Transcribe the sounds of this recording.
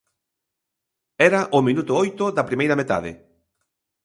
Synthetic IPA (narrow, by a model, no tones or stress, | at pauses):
ɛɾɐʔʊmĩnut̪ʊojt̪ʊðɐpɾimejɾɐmet̪a̰ðɪ̰